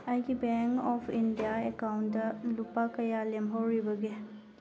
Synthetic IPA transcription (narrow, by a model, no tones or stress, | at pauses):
ɐjɡibeŋkɔpʰindijaekawndɐlupakɐjalemɦowɾibɐɡe